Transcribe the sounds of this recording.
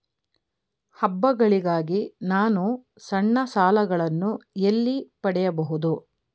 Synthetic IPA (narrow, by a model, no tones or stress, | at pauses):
hɐbːɐɡɐɭiɡaːɡinaːnu | sɐɳːɐsaːlɐɡɐɭɐnːuelːipɐɽɛjɐbɐɦud̪u